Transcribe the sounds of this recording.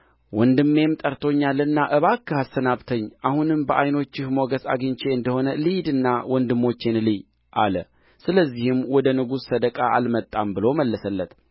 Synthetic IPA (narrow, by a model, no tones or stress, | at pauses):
wɔnd̪ɨmːe̞mt̪ʼəɾt̪ʰo̞ɲːalːənːaʔɨβakʰːɨhasːənaβt̪ʰəɲːʔahunɨmbəʔajno̞t͡ʃːɪhmoɡəsa̰ɡɨɲt͡ʃʰe̞ɨnd̪əho̞nəlɨjd̪ɨnːawɔnd̪ɨmːo̞t͡ʃːenlɨj | ʔalə | sɨləzːihɨmwɔd̪ənɨɡusːəd̪əkʼaʔalmət̪ʼːambɨlo̞məlːəsəlːət̪